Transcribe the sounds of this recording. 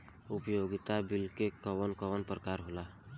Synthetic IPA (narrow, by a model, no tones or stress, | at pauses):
ʊpjoɡɪt̪abilkekəwənkəʋənpɾəkaːɾɦola